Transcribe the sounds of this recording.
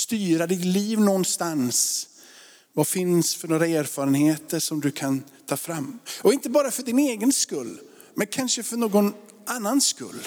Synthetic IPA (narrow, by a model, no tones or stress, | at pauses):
st̪yːɾad̪ɪt̪liːvnɔnst̪ans | vafɪnsfœɳoːɾaeːɾfɑːɾənheːt̪əʂɔmd̪ɵkʰant̪ʰɑːfɾamːɔɪnt̪əbɑːɾafœɖɪneːɡənskɵlː | mɛnkʰanʂəfœɾɳoːɡɔn | ʔanːanskɵ̰lː